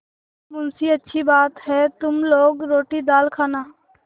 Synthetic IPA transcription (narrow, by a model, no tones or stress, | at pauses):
mʊnsiɐtːʃʰibaːt̪ɦɛt̪ʊmloːɡɾoːʈid̪aːlkʰaːnaː